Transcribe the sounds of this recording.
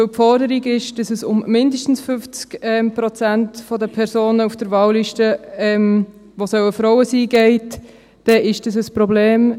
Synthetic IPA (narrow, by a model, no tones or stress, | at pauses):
øpfɔɾdəɾiɡɪʃd̥ɑsəsʊmːɪndəʃtn̩sfʏft͡skɛmpɾɔt͡sæntfɔdəpʰɛɾsoːnəufd̥əɾvɑːwliʃtəɛm | ʋosœwəfɾɔʊəsiːɡeɪtː | ɛʔɪʃd̥ɑs̬əspɾobleːm